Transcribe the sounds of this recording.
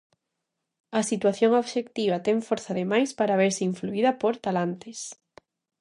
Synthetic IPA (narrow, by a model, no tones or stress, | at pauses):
ɐsit̪waθjoŋoβʃekt̪iβ̞ɐt̪ɛŋfoɾθaðemajspaɾaβeɾsɪiɱfluiðɐpoɾt̪alant̪ɪs